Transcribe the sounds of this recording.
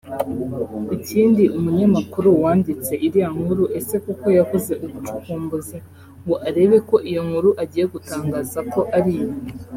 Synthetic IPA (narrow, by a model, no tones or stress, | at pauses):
iciːndiʔumuɲamakuɾuwaːndit͡se̞ʔiɾijaŋ̥huɾuʔe̞se̞kuko̞jakuze̞ʔuβut͡ʃu̥kuːmbuzi | ŋɡoʔaɾe̞ːβe̞ko̞ʔijo̞ŋhuɾuʔaɟiːje̞ɡutaːŋɡaːzako̞ʔaɾijo